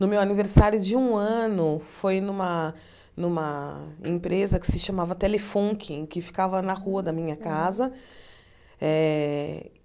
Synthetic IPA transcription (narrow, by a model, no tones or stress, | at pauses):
nʊmewaniveɾsaɾjʊd͡ʒɪũɐ̃nʊfojnũmɐ | nũmɐḛ̃pɾezɐkɪ̥sɪʃɐmavɐt̪elefõkʰɪ̃kɪfi̥kavɐnɐhuɐd̪ɐmĩɲɐkazɐ | ɛ